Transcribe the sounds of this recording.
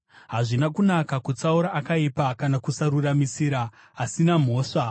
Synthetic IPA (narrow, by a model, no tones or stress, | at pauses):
ɦaʐinakunakakut͡sauɾaʔːkaipakanakusaɾuramisiɾaː | sinam̤o̞ːʂa